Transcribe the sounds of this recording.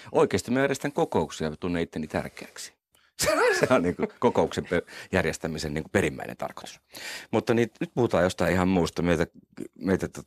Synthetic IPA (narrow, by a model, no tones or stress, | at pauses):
ʔoikeˑːst̪imæjærjest̪æŋkokoˑuksiɑt̪unːeit̪ːenːiːt̪æ̰rkeæksi̥ | seseonniːŋkukokouksempejærjest̪æmisenniːŋkuperimːæ̰inḛnt̪ɑ̰rko̥t̪u̥smut̪ːɑniːt̪nyt̪̚puhut̪ɑːjost̪ɑiihɑmmuːst̪ɑmeit̪æmeit̪æt̪o